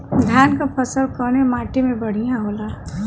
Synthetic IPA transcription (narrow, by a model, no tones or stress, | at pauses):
d̪ʱjaːnkapʰəsəlkənemaːʈemẽbɐɽ̤ijãɦoːla